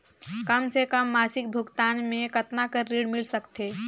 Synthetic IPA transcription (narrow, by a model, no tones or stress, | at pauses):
kəmsekəmːaːsɪk̚bʱuɡt̪anmẽkət̪nakəɾiɽmilsəkt̪e